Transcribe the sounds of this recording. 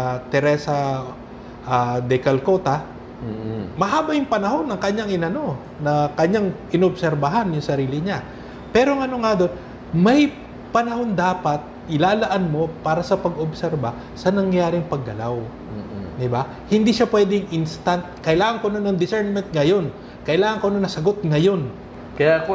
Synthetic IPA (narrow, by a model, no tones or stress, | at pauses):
t̪ɛɾɛsɐ | ʔad̪ɛkɐlko̞ːt̪ɐ | mɐɦaːbɐjʊŋpɐnɐɦo̞nːɐŋkɐɲaŋɪnɐno̞ | nɐkɐɲaŋʔɪnobsɛɾbɐɦanjʊŋsɐɾiːlɪɲa | pɛːɾoŋɐno̞ŋad̪o̞n | mɐj | pɐnɐho̞nd̪aːpɐt̪̚ʔɪlaːlɐʔanmo̞paːɾɐsɐpɐɡobsɛɾbɐ | sɐnɐŋjaːɾɪŋpɐɡːɐlaw | d̪ɪba | hɪnd̪iʃapwɛːd̪ɪŋʔɪnst̪ant̪̚kɐʔɪlaːŋɐŋkononːɐŋd̪ɪsɛɹnmɛnt̪̚ŋɐjo̞n | kɐʔɪlaːŋɐŋkononɐsɐɡo̞t̪̚ŋɐjo̞n | kɐja